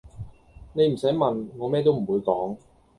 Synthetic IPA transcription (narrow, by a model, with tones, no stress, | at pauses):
ne˨jm̩˨˩sɐ˨˥jmɐ˨nŋɔː˨˧mɛː˥t̪̬o˥wm̩˨˩wuː˨˧jkɔː˨˥ŋ